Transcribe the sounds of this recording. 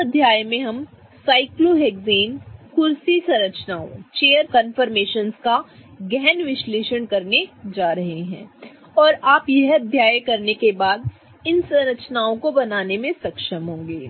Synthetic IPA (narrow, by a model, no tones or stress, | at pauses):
ɐd̪ʱjaːjmẽɦɐm | saːɪkloɦeːɡziːnkʊɾsisɐ̃ɾəkt͡ʃnaːõt͡ʃeːjəɾkə̃nfəɾmeːʃənskaɡɛːnʋɪʃleːʃəɳkɐɾned͡ʒaːɾɐɦeɦɛ̰̃ː | ɔːɾaːpjɛɦɐd̪ʱjaːjkɐɾnekebaːd̪̚ | ɪnsɐ̃ɾəkt͡ʃnaːõkobɐnaːnemẽsɐkʃəmɦõːŋɡeː